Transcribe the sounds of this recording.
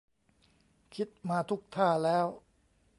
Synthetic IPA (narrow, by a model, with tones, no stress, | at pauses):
kʰi˦˥t̪̚maː˧t̪ʰu˦˥k̚t̪ʰaː˥˩lɛː˦˥w